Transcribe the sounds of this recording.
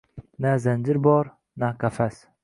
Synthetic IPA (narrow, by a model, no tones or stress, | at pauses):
nazand͡ʒɪɾbɒɾ | nakʰafas